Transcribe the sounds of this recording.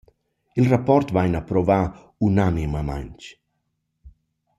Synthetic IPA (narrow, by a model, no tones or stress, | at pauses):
ilrapɔrt̪vajnapɾɔva | unanimama̰ɲt͡ʃ